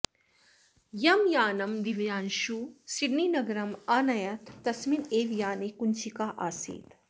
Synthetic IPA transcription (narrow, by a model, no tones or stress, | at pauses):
jɐmjaːnɐmd̪iʋjaːnʃusiɽniːnɐɡɐɾɐmaːnɐjɐt̪ʰːɐsmineːʋjaːnekunt͡ʃikaʔaːsḭːt̪